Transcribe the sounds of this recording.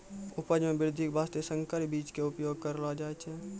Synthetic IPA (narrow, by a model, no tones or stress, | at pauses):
ʊpəd͡ʒmẽbɪɾɪd̪ʱikbʱaːst̪esə̃ŋkəɾbiːt͡ʃkeʊpjoːɡ̚kəɾlad͡ʒaːet͡ʃʰɛ